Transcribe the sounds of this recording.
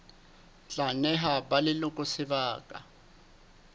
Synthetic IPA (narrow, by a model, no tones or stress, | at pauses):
t͡ɬʼanɛɦabalɪlʊkʼʊsɪβaːkʼa̰